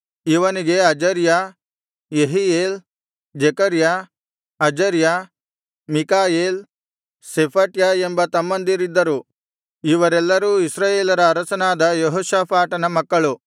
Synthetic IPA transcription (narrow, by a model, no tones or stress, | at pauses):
iʋɐniɡe̞ɐd͡ʒɐɾja | jeɦijeːl | d͡ʒekɐɾja | ɐd͡ʒɐɾja | mikaːjeːl | sepʰɐʈjaːembɐt̪ɐmːɐnd̪iɾid̪ːɐɾu | iʋɐɾɛlːɐɾuːisɾaːjeːlɐɾɐːɾɐsɐnaːd̪ɐjeɦoːʃaːpʰaːʈɐnɐmɐkːɐɭu